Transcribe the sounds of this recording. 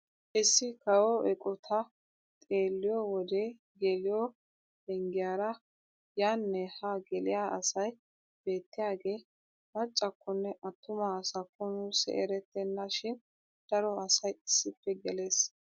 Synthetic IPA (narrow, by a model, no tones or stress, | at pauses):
ʔɪsːɪkɐwɔʔɛkʼɔt̪ʰɐ | t̪ʼe̞ːlːɪjɔwɔd̪e | ɡɛlɪjɔ | dɛŋɡɪjaːɾɐ | jaːnːɛhaɡɛlɪjaːɐsɐj | b̥e̞ːt̪ːɪjaːɡe̞ː | mɐt͡ʃʼːɐkːɔnːɛʔɐt̪ːʊmasɐkːɔnuːsɛ̰ʔɛɾɛt̪ːɛnːɐʃɪn | d̪̥ɐɾɔɐsɐjɪsːɪpːɛɡɛle̞ːs